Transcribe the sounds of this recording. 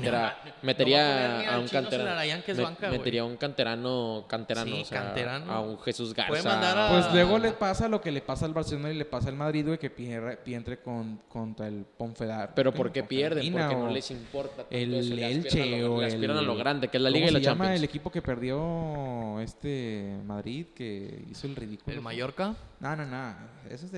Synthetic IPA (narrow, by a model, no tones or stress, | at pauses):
eɾa | met̪eɾiaauŋkaneɾaɾajaŋkezmeβaŋkamew̪eɾiauŋkant̪eɾanokant̪eɾannoseaeɾana̰unxesuzɣa̰ɾsapweslwe̞ɣo̞lepasalo̞ke̞le̞pasaːlβaɾselonile̞pasaːlmaðɾiðwejke̞peɾepjent̪ɾekonkont̪ɾaelpoɱfeðapeɾopoɾkepjeɾðeinoɾaeonolesimpoɾt̪at̪elelt͡ʃeoaeliɾanaloɣɾand̪ekeezlaliɣaailaʝamaelekipo̞ke̞pe̞ɾðjo̞ | e̞st̪emaðɾiðkeḭso̞elriðikulomaʝoɾkananonaḛsoez